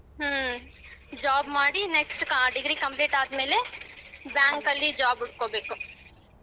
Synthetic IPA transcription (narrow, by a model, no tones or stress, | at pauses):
ɦ | d͡ʒaːbmaːɽineksʈkãːɖɪɡɾiːkɐ̃mpleːʈaːt̪mele | bãːŋkːɐlːid͡ʒaːbʊʈ̚koːbekʊ